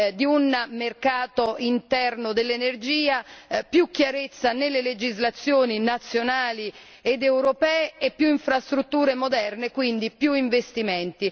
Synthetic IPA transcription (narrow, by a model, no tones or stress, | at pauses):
d̪iunmerkaːt̪oint̪ɛrnod̪elːenerd͡ʒiːapjukːjaɾet̪sːanelːeled͡ʒizlat̪sːjoːninat̪sːjonaːli | ed̪ewɾopɛːeepːjuiɱfɾast̪ɾut̪ːuːɾemod̪ɛrnekwind̪ipjuiɱvest̪imɛnt̪i